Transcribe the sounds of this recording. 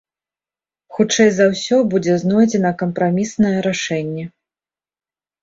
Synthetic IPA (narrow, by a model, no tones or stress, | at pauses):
xut͡ʂɛjzɐwsʲɔbud͡zʲɛznɔjd͡zʲɛnɐkɐmpɾamʲisnɐjɛɾaʂɛnʲːɛ